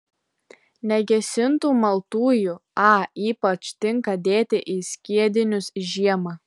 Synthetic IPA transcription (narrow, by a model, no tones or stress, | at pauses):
nʲɛɡʲɛsʲɪnt̪uːmɐlˠt̪uːjʊɑːiːpɐt͡ʃt̪ʲɪŋkɐd̪ʲeːt̪ʲɪʔiːsʲkʲiɛd̪ʲɪnʲʊsʒʲiɛmɑː